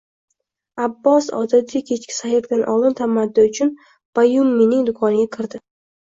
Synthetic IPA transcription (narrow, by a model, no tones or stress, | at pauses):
abːɒsɒ̰d̪at̪ʲɪkʲʰet͡ʃkʲɪ̥sahɪɾd̪anʔɒ̰lˠɪnt̪ʰamad̪ːɪʊt͡ʃʰʊn | b̥ajumːinɪŋd̪ʊkʰɒnɪɡʲakʲʰɪɾd̪ɪ